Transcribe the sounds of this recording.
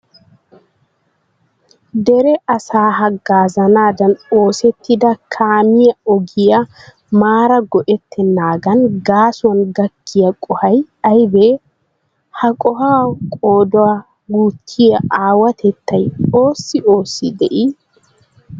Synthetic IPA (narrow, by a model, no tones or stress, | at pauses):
d̪ɛɾɛʔɐsaːɦɐɡːaːzɐnaːd̪ɐno̞ːsɛt̪ːɪd̪ɐkʰaːmɪjɐɔɡɪjɐ | maːɾɐɡɔʔɛt̪ʰːɛnːaːɡɐnɡaːsʊɐnɡɐkːɪjɐkʼɔhɐj | ɐjbe | hɐkʼɔhaːkʼo̞ːd̪ɔa | ɡuːt̪ʰːɪjɐʔaːwɐt̪ʰɛt̪ːɐjo̞ːsːɪo̞ːsːɪd̪ɛʔi